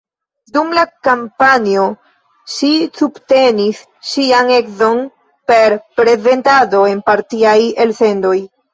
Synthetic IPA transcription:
dumlakampanio̞ | ʃisubte̞nis | ʃiane̞kzo̞n | pe̞ɾpɾe̞ze̞ntado̞e̞npaɾtiaje̞lse̞ndo̞j

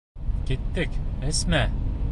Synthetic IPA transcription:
kit̪ːɘkɘ̆smæ

